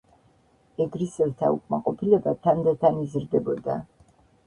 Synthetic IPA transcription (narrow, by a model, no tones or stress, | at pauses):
ɛɡɾisɛlt̪ʰa̰ṵkʼmaqʼɔpʰilɛbat̪ʰamd̪ɛt̪ʰanizɾd̪ɛbɔd̪a